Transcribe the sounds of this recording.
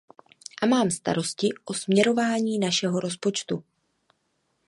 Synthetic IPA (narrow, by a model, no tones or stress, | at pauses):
ʔamaːmst̪a̰ɾo̞scɪʔo̞smɲɛɾo̞vaːɲiːnaʃɛɦo̞ɾo̞spo̞t͡ʃt̪u